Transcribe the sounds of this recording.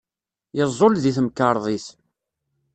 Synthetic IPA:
jəzˤːolðiθmkːɑɾˤðˤiθ

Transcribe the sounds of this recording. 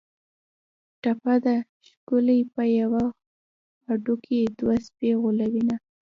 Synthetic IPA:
ʈapad̪a | ʃkʊlijpəjawaː | ɖuked̪waspeɣolawina

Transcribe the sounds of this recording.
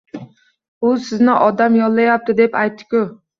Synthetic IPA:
usɪznɪʔɒd̪ɛmjɔlˠːɨjɑp̚t̪ʰɨd̪ɛpɑjt̪ʰːɪ̥kʲu

